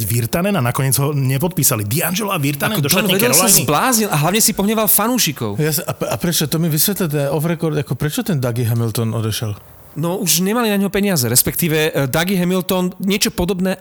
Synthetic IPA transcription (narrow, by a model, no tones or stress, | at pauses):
ʋiɾt̪anɛnanakɔɲɪɛd͡zɦɔɲɛpɔt̪̚piːsalid̪ianʒɛlɔaʋiɾt̪aanɛd̪ɔɔnɛɛlɔsazblaːzɲilaɦlaʋɲɛsipɔɦɲɛʋalfanuːʃikɔ̰ʊjasaapɾɛt͡ʃɔt̪ɔmiʋisʋɛt̪lit̪̬ɛɔfɾɛkɔɾd̪akɔpɾɛt͡ʃɔt̪ɛnd̪aɡiɦɛmilt̪ɔnɔd̪ɛʃɛl | nɔuʒɲɛmalinaɲɦɔpɛɲɪazɛɾɛspɛkt̪iːʋɛd̪aɡiɦɛmilt̪ɔnɲɪɛt͡ʃɔpɔd̪ɔbnɛː